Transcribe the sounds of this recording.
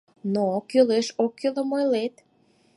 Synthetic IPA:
nokøleʃokːøləmojlet̪

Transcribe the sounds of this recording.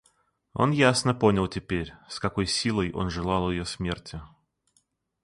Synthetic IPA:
o̞̰njasnəponʲɪlˠtʲɪpʲeɾʲskɐkojsʲilˠəjʔo̞̰nʐɨlˠɑlˠɪjosʲmʲertʲɪ

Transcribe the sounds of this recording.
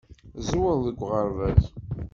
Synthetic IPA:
zwəðəɡʷːʁəɾvæz

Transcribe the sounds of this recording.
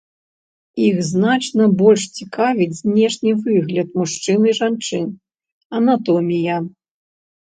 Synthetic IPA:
ixznat͡ʂnɐbɔlʲʂt͡sʲikavʲid͡zʲzʲnʲɛʂnʲivɨɣlʲɐt̪muʂt͡ʂɨnɨiʐant͡ʂɨn | ɐnat̪ɔmʲijɐ

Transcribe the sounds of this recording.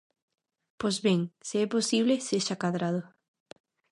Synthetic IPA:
pojzβeŋsiɛposiβleseʃakaðɾað̞ʊ

